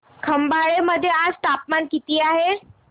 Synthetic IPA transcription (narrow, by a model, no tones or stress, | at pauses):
kʰəmbaɭeməd̪ʱːjeast̪apmankit̪iːaɦe